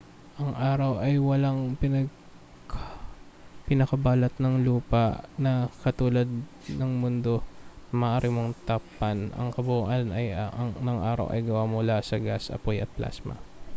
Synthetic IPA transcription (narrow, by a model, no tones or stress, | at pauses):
ʔɐŋʔaːɾɐwʔɐjwɐlaŋpɪnɐɡ | kʰa | pɪnɐkɐbaːlɐt̪nɐŋluːpɐʔnɐkɐt̪uːlɐd̪̚ | nɐŋmʊnd̪o̞mɐʔaːɾimoŋt̪apːɐnɐ̰ŋkɐbʊuʔɐnʔɐjŋnɐŋʔa̰ːɾɐ̰wʔɐ̰jɡɐwamʊlasɐɡasɐ̰pojɐt̪̚plʔa̰smɐ̰